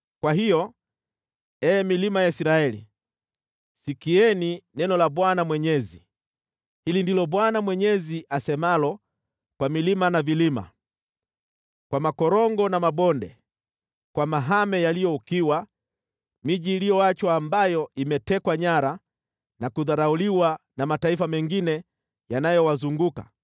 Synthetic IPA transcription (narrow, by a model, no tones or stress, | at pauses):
kwaɦijɔ | ɛːmilimajaisɾaɛlḭ | sikiɛninɛnɔlaɓwanamwɛɲɛzi | hilindilɔɓwanamwɛɲɛziʔasɛmalɔ | kwamilimanavilima̰ | kwamakɔɾɔŋɡɔnamaɓɔndɛ | kwamaɦamɛjalijɔukiwa | miʄiːlijɔat͡ʃwaːmbajɔimɛtɛkwaɲaɾa | nakuðaɾauliwanamataifamɛŋɡinɛ | janajɔwazuŋɡuka̰